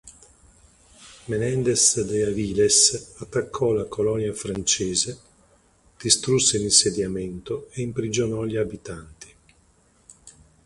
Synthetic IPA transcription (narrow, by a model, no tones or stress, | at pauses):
menɛnd̪esd̪eaviːlesat̪ːakʰːɔlakolɔnjafɾant͡ʃeːze | d̪̥ist̪ɾusːelinsed̪jament̪oeimpɾid͡ʒonɔʎiabit̪ant̪i̥